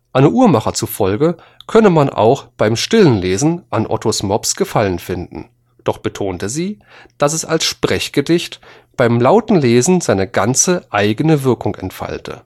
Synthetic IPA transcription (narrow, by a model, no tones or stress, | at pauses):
ʔaɪnəʔuːɐmaχɐt͡sufɔlɡə | kʰœnəmanʔa̰ʊxb̥aɪmʃtɪlənleːzn̩ʔanʔɔ̰tʰosmɔpsɡ̥əfalənfɪndn̩ | d̥ɔχb̥ətʰoːntəziː | d̥asɛsa̰lsʃpʁ̥ɛçɡ̥ədɪçt | b̥aɪmlaʊtn̩leːzn̩zaɪnəɡant͡səʔaɪɡənəvɪɐkʊŋɛ̰ntfa̰ltʰə̰